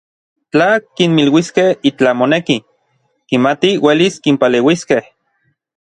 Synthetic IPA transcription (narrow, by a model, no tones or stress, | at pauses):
t͡ɬakinmilwiskehit͡ɬamoneki | kimat̪iweliskimpaleːwiskeh